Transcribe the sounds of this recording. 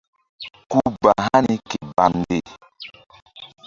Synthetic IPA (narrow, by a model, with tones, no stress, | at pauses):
ku˦ba˨ɦa˦ni˦ke˨ba˨n˦de˦˨